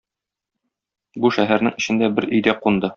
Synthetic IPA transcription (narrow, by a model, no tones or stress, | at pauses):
buʃæɦæɾnɘŋɘ̆ɕɘ̆nd̪æbɘɾɵ̆jd̪æqund̪ɤ